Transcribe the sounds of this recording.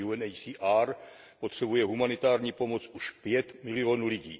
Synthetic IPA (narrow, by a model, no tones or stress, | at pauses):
uɛnɛsiʔaɾ | pot̪r̥ɛbujɛɦumanɪt̪aːɾɲiːpo̞mo̞t͡suʃpjɛt̪mɪlioːnulɪɟḭː